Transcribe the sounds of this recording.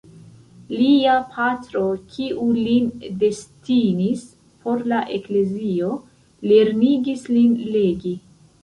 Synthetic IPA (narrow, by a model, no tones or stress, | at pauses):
liapʰatɾo̞kʰiʔulinde̞stinis | pʰo̞ɾlaʔe̞kle̞zio̞ | le̞ɾniɡislinle̞ɡi